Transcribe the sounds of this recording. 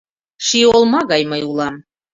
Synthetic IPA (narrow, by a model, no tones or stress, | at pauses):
ʃiolˠmɑɣɑjməjulˠɑm